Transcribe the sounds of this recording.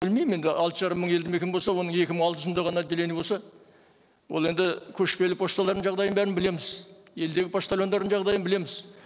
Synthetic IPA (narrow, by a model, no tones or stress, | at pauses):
bɪlmejme̞nd̪ɪʔɑlˠt̪əʒɑɾəmːəɴe̞ld̪ɪmekʲenbo̞lsɑwo̞nəɴe̞kʲɪməɴɑlˠt̪əʒənd̪ɑʁɑnɑd̪elenɪbo̞lsɑ | wolˠe̞nd̪ɪkʲʰɵʃpe̞lɪpʰost̪ɑlˠɑɾd̪əɴʒɑʁd̪ɑjənbæɾɪnbɪle̞mɪzje̞ld̪e̞ɡʲɪpʰost̪ɑlʲjo̞nd̪ɑɾd̪əɴʒɑʁd̪ɑjənbɪle̞mɪz